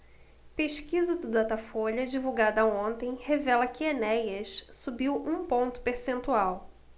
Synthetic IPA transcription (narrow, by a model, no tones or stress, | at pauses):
peʃkizɐd̪ʊd̪at̪afoʎɐd͡ʒivuwɡad̪ɐõnt̪ẽj̃hevɛlɐkɪenɛjɐʃsubiwũpõnt̪ʊ̥peɾsẽnt̪uaw